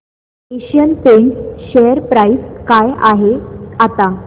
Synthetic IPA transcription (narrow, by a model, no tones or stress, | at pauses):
eɕjənpeɳɕejəɾpɾaiskajaɦeat̪a